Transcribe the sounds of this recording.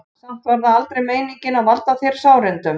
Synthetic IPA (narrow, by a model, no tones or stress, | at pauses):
sam̥t̪vaɾðaalt̪ɾejmeːjniŋcɪnaðvalt̪aθeɾ̥saːwɾɪnt̪ʏm